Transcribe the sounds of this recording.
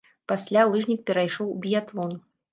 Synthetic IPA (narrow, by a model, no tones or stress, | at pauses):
pasʲlʲalˠɨʐnʲik̚pʲɛɾajʂɔwbʲijat̪vɔn